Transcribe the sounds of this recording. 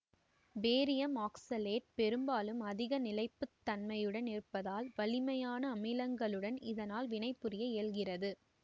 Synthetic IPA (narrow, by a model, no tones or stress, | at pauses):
beːɾɪjɐmaːksɐleːʈ̚pɛɾɯmbaːlɯmɐðɪɣɐnɪlɐɪpːɯt̪ːɐnmɐjɯɽɐnɪrpːɐðaːlʋɐɭɪmɐjaːnɐːmɪlɐŋɡɐɭɯɽɐnɪðɐnaːlʋɪnɐɪpːɯɾɪjɐeːlɣɪrɐðɯ